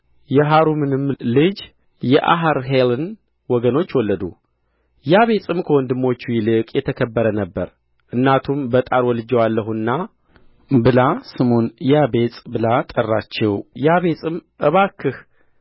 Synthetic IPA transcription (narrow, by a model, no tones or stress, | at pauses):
jɛɦaɾumɨnɨmlɨd͡ʒ | jɛʔa̰ɦaɾɦelɨn | wɔɡəno̞t͡ʃːwɔlːəd̪ṵ | jaβe̞sʼɨmkʰəwɔnd̪ɨmːo̞t͡ʃːujilɨkʼjɛt̪ʰəkʰəbːəɾənəbːəɾ | ʔɨnːat̪ʰumbət̪ʼaɾwɔlɨd͡ʒɛwalːəɦunːa | bɨlasɨmonjabe̞t͡sʼbɨlat̪ʼərːat͡ʃːɛwjaβe̞sʼɨmʔɨβakʰːɨh